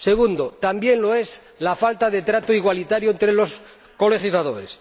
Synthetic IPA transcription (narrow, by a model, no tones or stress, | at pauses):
se̞ɣund̪ot̪ambje̞nlo̞e̞s | lafalt̪aðe̞t̪ɾat̪oiɣwalit̪aɾjoent̪ɾelo̞s | ko̞le̞χizlaðo̞ɾes